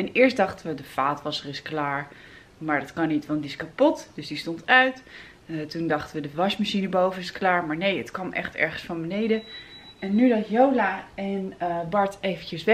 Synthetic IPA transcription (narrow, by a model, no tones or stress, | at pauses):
ɛnɪːɹsdɑχtəʋədəfaːtʋɑsərɪsklaːɹ | maːɹdɑtkɑnːitʋɑntdiɪskapɔtd̥ɵsdistontœɥt | tundɑχtəʋədəʋɑsmaʃinəbowvənɪsklaːɹmaːɹnejətkʋɑmʔɛ̰χtɛ̰ɹχənsfɑnbənejdə | ɛnːydɑtjowlaːɛnbɑɹtejvəncəsʋɛ